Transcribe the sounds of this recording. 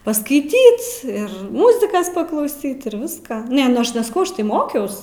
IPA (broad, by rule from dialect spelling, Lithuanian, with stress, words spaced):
pɐskɐɪˈtʲiːt ɪr ˈmʊzʲɪkɐs pɐklˠɐʊˈsʲiːt ɪr ˈʋʲɪskɑː ˈnʲɛ nʊ ˈɐʃ nʲɛsɐˈkɐʊ ˈɐʃ tɐɪ ˈmoːkʲɛʊs